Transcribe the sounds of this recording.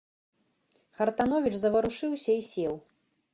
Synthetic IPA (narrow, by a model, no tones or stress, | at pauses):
xɐrt̪anɔvʲit͡ʂzɐvɐɾuʂɨwsʲɐisʲɛw